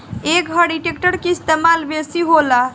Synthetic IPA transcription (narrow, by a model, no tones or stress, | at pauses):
ekɦəɽiʈekʈəɾkeist̪emalbesiɦola